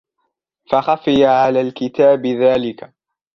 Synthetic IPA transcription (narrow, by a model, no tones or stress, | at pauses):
fɑxɑfɪjaʕalaːlkɪt̪aːbɪðaːlɪka